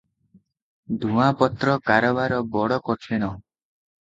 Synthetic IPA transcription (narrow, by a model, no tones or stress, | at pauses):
d̪ʱuapɔt̪ɾɔkaɾɔbaɾɔbɔɽɔkɔʈʰeñɔ